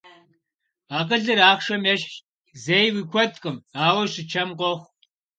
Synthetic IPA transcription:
aːqəɮɨɾaːχʃɐmjɐʃ | zejwikʷʰɔtqʼəmaːwɐɕɪt͡ʃʰɐmqʷɔxʷ

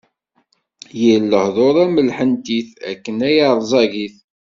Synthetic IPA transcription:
jəlːəhðˤoɾˤæməlħənt̪iθæ̰kːənæjɑɾˤzˤɑʝiθ

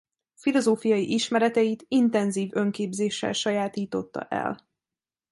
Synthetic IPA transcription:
filo̞zoːfijɒjiʔiʃmɛɾɛt̪ɛit̪int̪ɛnziːvø̞ŋkeːbzeːʃːɛ̰lʃɒjaːt̪iːt̪o̞t̪ːɒ̰ʔɛ̰l

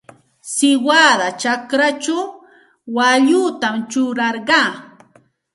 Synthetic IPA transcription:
sɪwad̪at͡ʃakɾat͡ʃaw | waʎʊt̪amt͡ʃʊɾɑɾɢɑː

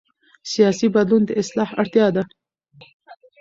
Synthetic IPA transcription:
sijɑsibad̪lund̪əɪslɑhaɽt̪jɑd̪a

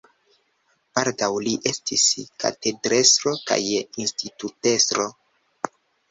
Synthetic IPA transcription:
b̥aldawliʔe̞stiska̰te̞dɾe̞sɾo̞ka̰jinstitute̞sɾo

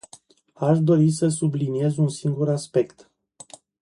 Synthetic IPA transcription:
aʃd̪o̞ɾis̬əs̬ublinie̞zunsiŋɡuɾaspe̞kt̪

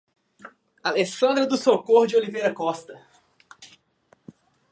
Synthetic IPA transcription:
alesɐ̃nd̪ɾɐd̪ʊsokohd͡ʒɪolivejɾɐkɔst̪ɐ

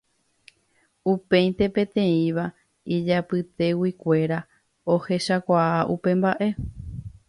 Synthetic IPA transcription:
upẽ̞j̪̃t̪e̞pẽt̪ẽ̞ĩʋa | id͡ʒapɨt̪e̞wikʷe̞ɾa | o̞he̞ʃakʷaaʔupe̞mbaʔe̞

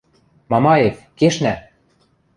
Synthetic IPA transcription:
mɑmɑefkeʃnæ

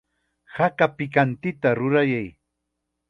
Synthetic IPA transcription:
hakapɪkant̪ɪt̪aɾʊɾajaj

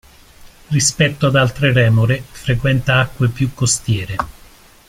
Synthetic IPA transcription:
rispɛt̪ːoad̪alt̪ɾerɛːmoɾefɾekwɛnt̪aakːwepjukːost̪jɛːɾe

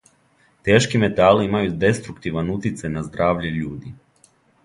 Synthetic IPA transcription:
t̪eːʃkime̞t̪aliimajud̪e̞st̪ɾukt̪iʋanut̪it̪sajnazd̪ɾaːʋʎeʎuːd̪i

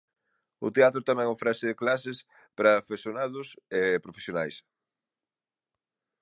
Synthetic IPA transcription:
ʊ̰t̪eat̪ɾʊt̪amɛ̃ŋofɾasɪðɪklasɪs | pɾɐfesjonaðʊsepɾofe̥sjonajs

